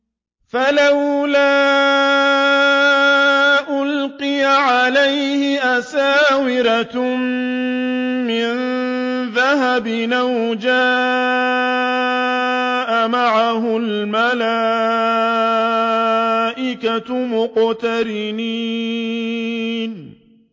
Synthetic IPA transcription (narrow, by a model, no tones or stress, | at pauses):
falawlaː | ʔʊlqɪjaʕalajhɪʔasaːwɪɾa | ɪnðaɦabɪnaw | d͡ʒaː | ʔamaʕaɦʊlmalaː | ʔɪkamʊqt̪aɾɪni | n